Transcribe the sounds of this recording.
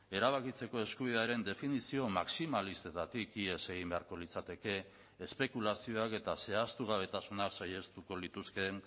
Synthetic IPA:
e̞ɾaβ̞akit͡se̞ko̞e̞skuβ̞iðeaɾe̞nd̪e̞finisio̞maksimalist̪et̪at̪ikie̞se̞ɣ̞imbe̞aɾko̞lit͡sat̪e̞ke̞ː | spe̞kulasio̞ake̞t̪ase̞ast̪uɣ̞aβ̞e̞t̪asunaksaje̞st̪uko̞lit̪uske̞n

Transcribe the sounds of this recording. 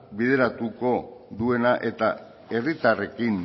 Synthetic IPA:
biðe̞ɾat̪uko̞ðue̞naʔe̞t̪a | e̞rit̪are̞kin

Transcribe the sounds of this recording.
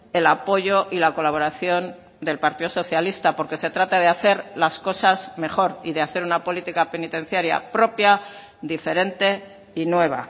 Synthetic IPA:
e̞lapo̞ʝo̞ʔilako̞laβo̞ɾaθjo̞n | d̪e̞lpaɾt̪iðoso̞θjalist̪apo̞ɾke̞se̞t̪ɾat̪að̞eaθe̞ɾlasko̞sazme̞χo̞ɾiðeaθe̞ɾunapo̞lit̪ikape̞nit̪e̞n̟θjaɾja̰pɾo̞pja | d̪ife̞ɾe̞nt̪e̞ | inwe̞β̞a̰

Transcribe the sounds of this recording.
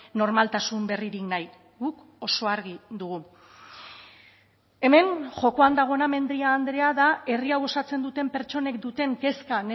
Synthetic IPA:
no̞ɾmalt̪asumbe̞riɾiknaj | ɡuk | o̞so̞aɾɣiðuɣ̞u | e̞me̞nʝo̞ko̞and̪aɣ̞o̞name̞nd̪ɾiaːnd̪ɾe̞aðae̞riawo̞sat͡se̞nd̪ut̪e̞mpe̞ɾt͡ʃo̞ne̞kd̪ut̪e̞nke̞skane

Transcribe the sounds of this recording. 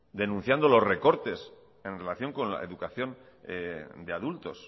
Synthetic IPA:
d̪e̞nũn̟θjand̪o̞lo̞sre̞ko̞ɾt̪e̞s | e̞nre̞laθjo̞ŋko̞nla̰e̞̰ðukaθjo̞n | d̪eaðult̪o̞s

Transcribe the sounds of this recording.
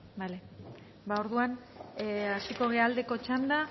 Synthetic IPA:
bale | bao̞ɾðuan | asiko̞ɣeald̪e̞ko̞t͡ʃand̪a

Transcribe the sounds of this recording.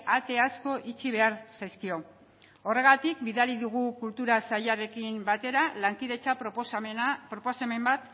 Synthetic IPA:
at̪e̞asko̞ʔit͡ʃiβe̞aɾsajskio̞ | ore̞ɣ̞at̪ikbiðaɾiðuɣ̞ukult̪uɾasajaɾe̞kimbat̪e̞ɾalaŋkiðe̞t͡sa | pɾoposeme̞mbat̪

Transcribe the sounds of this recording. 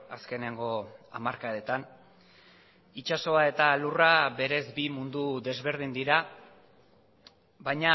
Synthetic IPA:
aske̞ne̞ŋɡo̞a̰maɾkaet̪an | it͡ʃaso̞ae̞t̪alurabe̞ɾe̞zbimund̪uðe̞zβe̞ɾð̞ind̪iɾa | bajɲa

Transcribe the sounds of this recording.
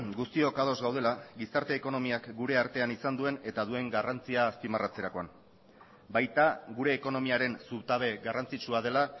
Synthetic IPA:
ɡust̪io̞kað̞o̞zɣawð̞e̞laɡisaɾt̪e̞ːko̞no̞miakɡuɾe̞aɾt̪e̞anisand̪ue̞ne̞t̪aðue̞ŋɡarant͡siaːspimarat͡se̞ɾako̞an | bajt̪aɣuɾe̞ːko̞no̞miaɾe̞nsuβt̪aβe̞ɡarant͡sit͡ʃuað̞e̞la

